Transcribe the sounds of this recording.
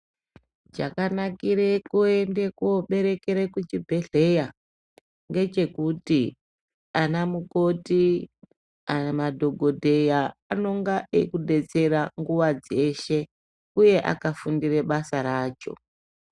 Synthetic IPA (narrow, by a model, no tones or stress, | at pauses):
d͡ʒakanakiɾe̞kuende̞koɓe̞ɾe̞keɾekut͡ʃibʱe̞ɮe̞ja | ŋɡe̞t͡ʃe̞kuti | anamuko̞ti | amadʱo̞ɡʱo̞dʱe̞jaano̞ŋɡaekuɗe̞t͡se̞ɾaŋɡuʋad͡ze̞ʃe̞ | uje̞ʔa̰kafundiɾe̞ɓasaɾaːt͡ʃo̞̰